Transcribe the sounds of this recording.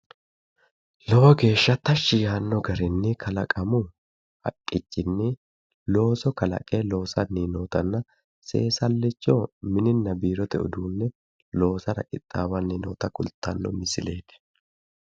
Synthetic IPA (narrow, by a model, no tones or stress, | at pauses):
lɔwɔɡe̞ːʃːɐt̪ɐʃːɪjaːnːɔɡɐɾɪnːɪkʰɐlɐkʼɐmʊ | hɐ̰kʼːɪt͡ʃːɪnːɪ | lo̞ːsɔkɐlɐ̰kʼeːlo̞ːsɐnːiːnoːt̪ɐnːɐ | se̞̰ːsɐlːɪt͡ʃːoːmɪnɪnːɐbiːɾɔt̪ɛʔʊ̰d̪uːnːɛ | lo̞ːsɐɾɐ̰kʼɪt̪ʼːaːwɐnːiːno̰ːt̪ɐkʊlt̪ʰːɐnːɔ̰mɪsɪle̞ːt̪ɛ̥